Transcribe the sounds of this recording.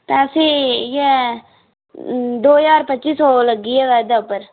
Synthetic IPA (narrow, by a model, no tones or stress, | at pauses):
t̪ɛːsije | d̪oːjaːɾpətːt͡ʃiːsɔːləɡːiɛʋɛːd̪aʊpːəɾ